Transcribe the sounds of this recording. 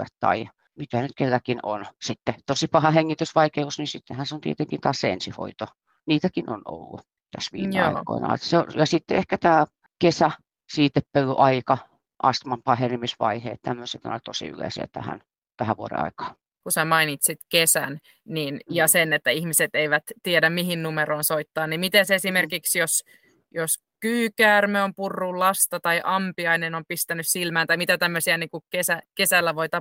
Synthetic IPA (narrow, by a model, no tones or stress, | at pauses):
ḛt̪ːɑ̰iɑ | mit̪ænyt̪kelːækinonsit̪ːet̪osipɑhɑheŋːit̪ysʋɑikeusnisit̪ːehænseont̪ḭet̪eŋkint̪ɑːsseḛnsiho̰it̪o | niːt̪ækinʔo̰no̰lːṵ | t̪æsʋḭːmeɑ̰iko̰inɑ̰ḛtseojɑsit̪ːeehkæt̪æː | kesæ | siːt̪ːeppølːyʔɑikɑ | ʔɑst̪mɑmpɑːhenimisʋɑ̰ihḛːt̪t̪æmːøset̪ːo̰not̪osḭy̰lḛˑsḭæ̰t̪æ̰hæ̰n | t̪æhæʋuoɾḛɑ̰ikɑ̥ː | kusæmɑinit̪sit̪kesæn | niːnjɑsenet̪ːæihmiset̪eiʋæt̪t̪ːiedæmmiɦinnumeɾoːnsoit̪ːɑːnnimit̪esesimerkiksjos | jos | kyːkæːrmeompurːullɑst̪ɑt̪ɑiʔɑmpiɑinenompist̪ænyssilmæːnt̪ɑimit̪æt̪æmːøsiæniːŋkukesækesælːæʋoit̪ɑ